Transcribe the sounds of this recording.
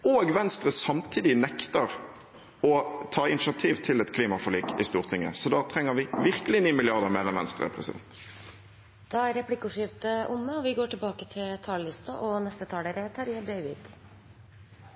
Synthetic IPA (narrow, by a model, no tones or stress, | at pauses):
oːɡʋɛnst̪ʁəsɑmt̪ʰiːd̪ɪnɛkt̪əʁ | ɔt̪ʰɑːɪnɪʃɑt̪ʰiːʋt̪ʰɪlɛt̪kʰliːmɑfɔliːkɪ̰st̪uːʁt̪ʰɪŋːə̰sɔd̪ɑːt̪ʰɾɛŋːəɾʋɪʋɪʁkəlɪniːmɪlɪɑʁd̪əʁmeːʁɛnʋɛ̰nst̪ʁə̰pʰʁɛ̰sɪd̪ɛ̰nt̪ | d̪̥ɑæɾɛpʰlɪkːʊʂɪʋt̪əʔʊmːəɔʋɪɡoːʈʰɪlbɑːkət̪ʰɪlt̪ʰɑːllɪst̪ɑʔɔnɛst̪ət̪ʰɑːləɾət̪ʰɑɾɪːɑd̪eɪʋɪ̰ɡ̪̥